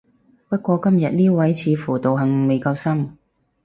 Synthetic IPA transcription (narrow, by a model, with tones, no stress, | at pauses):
pɐ˥t̚kʷɔː˧kɐ˥mjɐ˨t̚niː˥wɐ˨˥jt͡sʰiː˨˧fuː˨˩t̪o˨wɦɐ˨ŋme˨˧jkɐ˧wsɐ˥m